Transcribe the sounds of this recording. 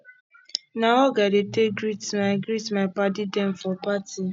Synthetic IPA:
naɔɡadetek̚ɡɾitmaɡɾitmaɪpadidɛ̃mfɔpati

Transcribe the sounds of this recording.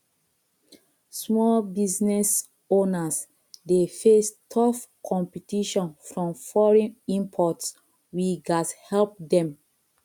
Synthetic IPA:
smɔlbiznɛs | onas | defestʰɔfkʰɔ̃mpitiʃɔ̃nfɹɔ̃mfɔɹɛ̃nĩmpʰɔts | wiɡashɛlp̚dɛ̃m

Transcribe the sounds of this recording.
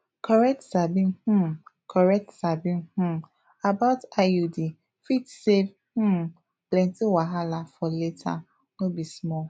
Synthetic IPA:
kʰɔɾɛk̚tsabih̩kʰɔɹɛk̚tsabih̩ | abaʊtaudi | fitsev | h̩ | plɛ̃ntiwaɦalafɔletʰa̰ | nobismɔ

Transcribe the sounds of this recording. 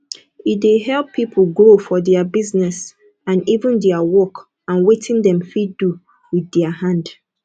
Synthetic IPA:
ideɦɛlˠpʰːipʰl̩ɡofɔdɛabiznɛs | ãnivə̃ndɛawɔk | ãnwetʰĩndɛ̃mfidu | wiðdɛahãnd

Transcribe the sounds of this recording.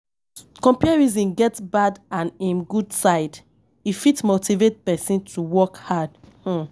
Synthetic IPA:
kɔ̃mpiɹizĩnɡɛtbadãnĩnɡudsaɪd | ifitmotivet̚pɛsĩntʰuwɔkhadh̩

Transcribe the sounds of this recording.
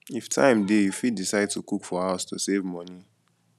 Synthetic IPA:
iftʰã̰ɪ̃mdejufiddisaɪd̚tukukfɔhaʊstosevmɔni

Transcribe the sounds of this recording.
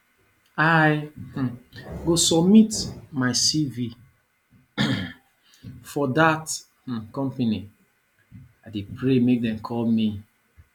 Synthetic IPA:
aj | ɡosɔbmitmaɪsivi | fɔdat | kɔ̃mpeni | adepɾemek̚dɛ̃mkʰɔlmi

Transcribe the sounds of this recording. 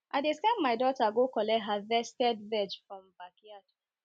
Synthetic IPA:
ʔaɪdestãɪ̃mːaɪdɔtaɡokɔlɛtɦavɛstɛdvɛd͡ʒfɹɔ̃mbakiatʰu̥

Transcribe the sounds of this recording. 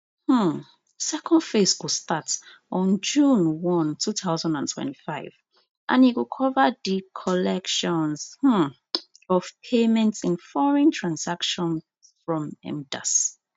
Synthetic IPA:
h̩ | sɛkʰɔ̃ndfeswistat | ɔ̃nd͡ʒũnwɔ̃ntʰuθaʊzãndãntʰwɛ̰̃nti̥faɪv | ʔã̰niwukʰɔvədikʰɔlɛkʃɔ̃nzh̩ | ɔv̥pʰemɛ̃ntsĩnfɔɹɛ̃ntʰɹ̥ãnsakʃɔ̃n | fɹɔ̃mɛ̰̃mda̰s

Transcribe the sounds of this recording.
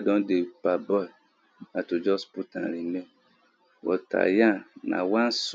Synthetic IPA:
dɔ̃ndepabɔ | nãtod͡ʒɔsputʰã̰ɾinɛ̃ | wʔɔ̰tʰa̰jãnã̰wãns

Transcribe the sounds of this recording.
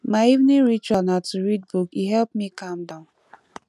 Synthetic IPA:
maɪivnĩŋɹit͡ʃanatuɹid̚bukiɦɛlpmikʰãmdãʊ̃n

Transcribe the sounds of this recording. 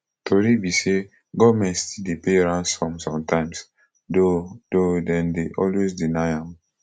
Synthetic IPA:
tʰoɾibise | ɡɔdmɛ̃stidepeɹãnsfɔ̃msɔ̃mtʰãɪ̃ms | dododɛ̃ndeʔɔlwesdinaɪãm

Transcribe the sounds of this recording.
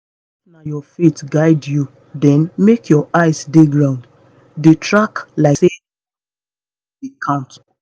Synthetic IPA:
najɔfitɡaɪdju | dɛ̃nmekʰjɔʔaɪsdeɡɹãʊ̃nd | detʰɹaklaɪse | ikʰãnt

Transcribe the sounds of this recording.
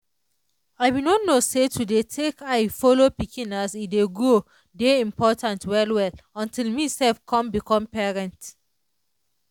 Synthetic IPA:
aɪbinɔtnosetʰudetʰekaɪfolopikʰĩnasideɡo | deĩmpɔtʰãntwɛlwɛlɔ̃ntʰilmisɛlfkʰɔ̃mbikʰɔ̃mpɛɹɛ̃nt

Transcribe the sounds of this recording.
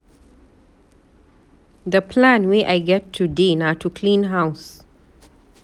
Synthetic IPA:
d̪əpʰlãnweːʔaɪɡɛtʰːudẽnatukʰlĩːnɦaʊs

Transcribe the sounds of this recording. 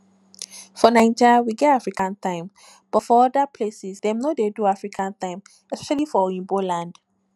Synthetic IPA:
fɔnãɪ̃nd͡ʒawiɡɛtafɹikãnt̪ãɪ̃m | b̥ɔtfɔɔdapʰlesisdɛ̃mnodeduafɹikʰãnt̪ãɪ̃m | ɛspɛʃalifɔĩnbolãnd̥

